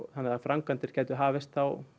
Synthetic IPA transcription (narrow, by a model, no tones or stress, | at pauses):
θanːɪafɾaŋkant̪ɪɾ̥cʰɛːt̪ʏɦaːvɪst̪θaw